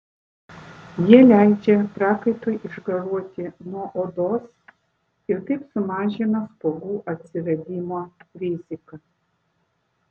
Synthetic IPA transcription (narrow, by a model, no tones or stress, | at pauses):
jiɛlʲæˑɪd͡ʒʲɛpɾɑːkɐɪt̪oːjʔɪʒɡɐɾuɔt̪ʲɪnuɔʔoːd̪oːs | ɪɾt̪ɐɪpsʊmɑːʒʲɪnɐspoːɡuːʔɐt̪ʲsʲɪɾɐd̪ʲiːmoːɾʲɪzʲɪkɐ